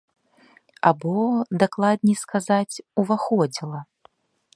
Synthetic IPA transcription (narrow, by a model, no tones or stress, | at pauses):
a̰bɔd̪aklˠad̪ʲnʲiskazat͡sʲuvaxɔd͡zʲilˠɐ